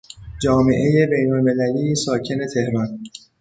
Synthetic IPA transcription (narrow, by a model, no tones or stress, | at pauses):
d͡ʒɒːme̞ʔe̞jebe̞jnolme̞læliːjsɒːcʰe̞ne̞t̪ʰe̞hɾɒn